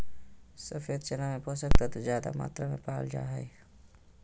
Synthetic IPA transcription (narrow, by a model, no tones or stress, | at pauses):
səfeːd̪t͡ʃenamẽpoːsək̚t̪at̪ozjaːd̪a̰ma̰ːt̪ɾamẽpaːld͡ʒa̰ːɦɛe